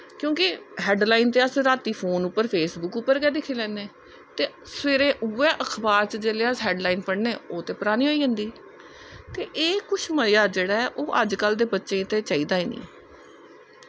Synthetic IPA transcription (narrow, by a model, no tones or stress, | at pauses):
kjõːkɪɦɛːɖlaːiːnt̪eːəsɾaːt̪iːpʰoːnʊpːəɾpʰeːsbʊkʊpːəɾɡɛːd̪ɪkʰːeːlɛ̃ːneː | t̪eː | sʋeːɾẽːʔuːɛ̃ːʔəkʰbaːɾt͡ʃd͡ʒeːleːəsɦɛːɖlaːiːnpəɽneːoːt̪eːpəɾaːniːɦoːiːd͡ʒə̃nd̪iː | t̪eːʔeːkʊʃʰməjaːd͡ʒeːɽaːɛʔoːʔəd͡ʒkəld̪eːbətːʃẽːt̪eːt͡ʃaːiːd̪aːiːnḭ̃ː